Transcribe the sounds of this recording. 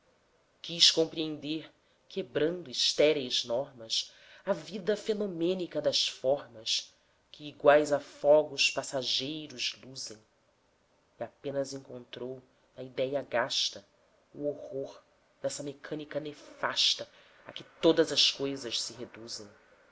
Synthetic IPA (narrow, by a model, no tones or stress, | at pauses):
kiʃkõmpɾiẽnd̪eɾ | kebɾɐ̃nd̪ʊiʃt̪ɛɾejznɔɾmɐs | ɐvid̪ɐfenomẽnikɐd̪ɐʃfɔɾmɐs | kʰɪːɡwajzɐfɔɡʊspasaʒejɾʊzluzẽj̃ | iapẽnɐzẽŋkõnt̪ɾow | nɐid̪ɛjɐɡaʃt̪ɐ | uohoɾ | d̪ɛsɐmekʰɐ̃nikɐnefaʃt̪ɐ | ɐkɪt̪od̪ɐzɐʃkojzɐʃsɪɦed̪uzẽj̃